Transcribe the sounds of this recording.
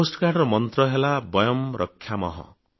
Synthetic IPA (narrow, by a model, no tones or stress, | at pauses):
osʈkaɖrʌmʌnt̪rʌɦelabʌjʌmrʌkʰːjamʌ̰ɦʌ̰